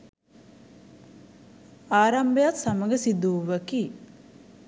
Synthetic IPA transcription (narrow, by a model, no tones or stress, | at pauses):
aːɾambejat̪saməɡəsid̪uːʋəkiː